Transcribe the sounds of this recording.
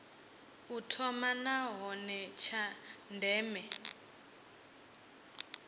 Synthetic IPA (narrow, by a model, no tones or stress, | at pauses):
utʰɔmanaɦɔnɛt͡ʃʰandʱɛːmɛ